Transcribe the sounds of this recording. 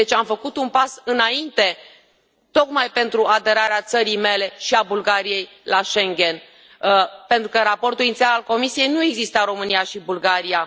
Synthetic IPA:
et͡ʃamfəkut̪unpasɨnaint̪e̞ | t̪o̞kmajpe̞nt̪ɾuad̪e̞ɾaɾeat̪səɾijme̞le̞ʃiabulɡaɾije̞j | laʃe̞ŋɡʲe̞n | pe̞nt̪ɾukəɾapo̞rt̪ulinit̪sialalko̞misije̞jnue̞ɡzist̪əɾo̞mɨniaʃibulɡaɾija

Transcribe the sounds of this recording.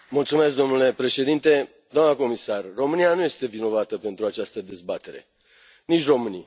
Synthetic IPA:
mult̪sume̞s̬k̚d̪o̞mnule̞pɾe̞ʃe̞d̪int̪e̞ | d̪oamnəko̞misarːo̞mɨnianuje̞st̪e̞vino̞vat̪əpe̞nt̪ɾuat͡ʃast̪əd̪e̞zbat̪e̞ɾe̞̰ | nit͡ʃʲro̞mɨnij

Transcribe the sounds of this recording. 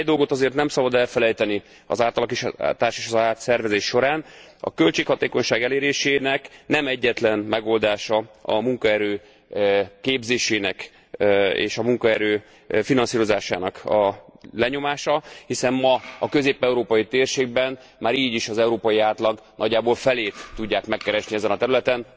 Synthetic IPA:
ɛd̪o̞lɡo̞t̪ɒzeːrt̪nɛmsɒbɒd̪ɛlfɛlɛjt̪ɛni | ɒ̰zaːlt̪ɒlɒkeːʃa̰t̪aːʃeːʃɒzaːt̪sɛrvɛzeːʃːo̞ɾaːnɒ̰kø̞lt͡ʃeːkhɒt̪eːko̞ɲʃaːɡɛleːɾeːʃeːnɛknɛmɛɟːɛt̪lɛnmɛɡo̞ːld̪aːʃɒɒ̰muŋkɒɛɾøː | keːbzeːʃeːnɛk | ḛːʃɒmuŋkɒɛɾøː | finɒnsiːɾo̞zaːʃaːnɒkɒlɛɲo̞maːʃɒhisɛmmɒɒkø̞zeːpɛuɾoːpɒjit̪eːrʃeːɡ̚bɛn | maːɾiːɟiʃɒzɛuɾoːpɒjiaːt̪lɒɡ | nɒɟːaːboːlfɛleːt̪ːuɟːaːkmɛkːɛɾɛʃniɛzɛnɒt̪ɛɾylɛt̪ɛn

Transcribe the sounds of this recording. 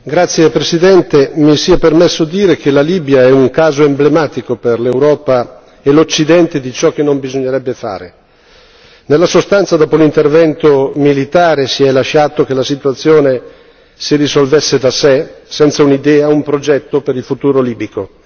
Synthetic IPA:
ɡɾat̪sːjepɾesid̪ɛnt̪emisiɛpermesːod̪iːɾekelaliːbjaɛuŋkaːzoemblemaːt̪ikoperlewɾɔːpa | elot͡ʃːid̪ɛnt̪ed̪it͡ʃɔkːenːombizoɲːeɾɛbːefa̰ːɾe | nelːasost̪ant̪sad̪ɔːpolint̪ervɛnt̪omilit̪aːɾesiɛlaʃːaːt̪okelasit̪uat̪sːjoːne | sirisolvesːed̪asesɛnt̪saunid̪ɛːaumpɾod͡ʒɛt̪ːopeɾilfut̪uːɾoliːbiko

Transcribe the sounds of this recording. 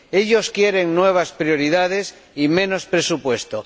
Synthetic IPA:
e̞ʎo̞skje̞ɾe̞ŋnwe̞β̞aspɾjo̞ɾiðað̞e̞s | imẽ̞no̞spɾesupwe̞st̪o

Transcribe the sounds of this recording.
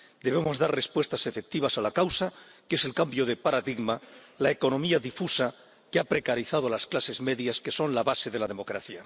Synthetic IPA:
d̪e̞βemo̞zðaɾre̞spwe̞st̪ase̞fe̞k̚t̪iβasalakawsake̞se̞lkambjoð̞e̞paɾaðiɣma | laeko̞nõ̞miaðifusa | keapɾe̞kaɾiθað̞oalasklase̞zme̞ðjaske̞so̞nlaβase̞ðe̞laðemo̞kɾaθja

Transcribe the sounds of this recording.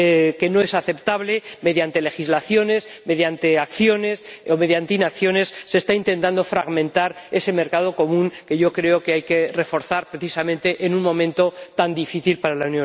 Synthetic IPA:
ke̞no̞e̞saθe̞pt̪aβle̞me̞ðjant̪e̞le̞xizlaθjo̞ne̞sme̞ðjant̪eakθjo̞ne̞some̞ðjant̪einakθjo̞ne̞sːe̞st̪aint̪e̞nt̪and̪o̞fɾaɣmẽnt̪aɾe̞se̞me̞ɾkað̞o̞ko̞mũŋke̞ʝo̞kɾe̞okeajke̞re̞fo̞ɾθaɾpɾeθisamẽnt̪e̞ʔenuŋmõ̞mẽnt̪o̞t̪and̪ifiθilpaɾalaunjõ

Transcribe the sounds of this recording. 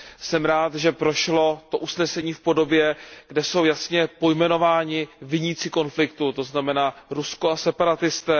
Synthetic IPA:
sɛmɾaːt̪ʒɛpɾo̞ʃlo̞t̪o̞ʔusnɛsɛɲiːfpo̞do̞bjɛɡ̥dɛso̞wjasɲɛpo̞jmɛno̞vaːɲɪvɪɲit͡sɪko̞nflɪkt̪ut̪o̞znamɛnaːɾusko̞asɛpaɾat̪ɪst̪ɛː

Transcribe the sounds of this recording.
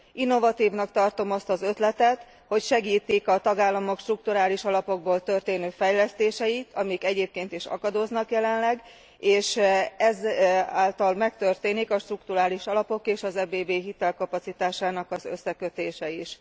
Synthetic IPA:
inːo̞vɒt̪iːvnɒkt̪ɒrt̪o̞mɒst̪ɒzø̞t̪lɛt̪ɛt̪ | ho̞cʃɛɡiːt̪ikɒt̪ɒɡaːlːɒmo̞kʃt̪ruk̚t̪uɾaːliʃɒlɒpo̞ɡ̚boːlt̪ørt̪eːnøːfɛjlɛst̪eːʃɛit̪ʰɒmikɛɟeːp̚keːnt̪iʃɒ̰kɒd̪oːznɒkjɛlɛnlɛɡ | eːʃɛzaːlt̪ɒlmɛkt̪ø̞rt̪eːnikɒʃt̪rukt̪uɾaːliʃɒlɒpo̞keːʃɒzɛbeːbeːɦit̪ɛlkɒpɒt̪sit̪aːʃaːnɒkɒzø̰sːɛkø̞t̪eːʃɛiʃ

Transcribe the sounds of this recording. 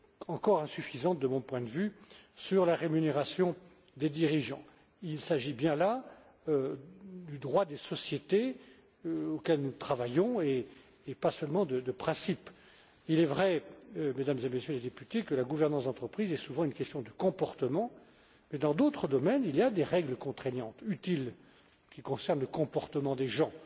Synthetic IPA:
ɑ̃kɔʁɛ̃syfizɑ̃t̪̚d̪əmɔ̃pwɛ̃d̪əvysyʁlaʁemyneʁasjɔ̃ | d̪ed̪iʁiʒɑ̰̃ | ilsaʒibjɛ̃la | d̪yd̪ʁwad̪esɔsjet̪e | okɛlnut̪χavajɔ̃eː | pasœlmɑ̃d̪əd̪əpχɛ̃sip | ilɛvʁɛmed̪amzemesjøled̪epyt̪ekəlaɡuvɛʁnɑ̃sd̪ɑ̃t̪χəpχizɛsuvɑ̃ynkʲɛst̪jɔ̃d̪əkɔ̃pɔʁt̪əmɑ̃ | mɛd̪ɑ̃d̪ot̪χəd̪ɔmɛniljad̪eʁɛɡləkɔ̃t̪χɛɲjɑ̃t̪yt̪il | kʲikɔ̃sɛʁnləkɔ̃pɔʁt̪əmɑ̃d̪eʒɑ̃

